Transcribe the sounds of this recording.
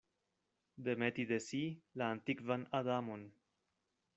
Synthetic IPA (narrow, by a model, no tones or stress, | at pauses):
d̪e̞met̪id̪e̞silaːnt̪ikvanad̪amon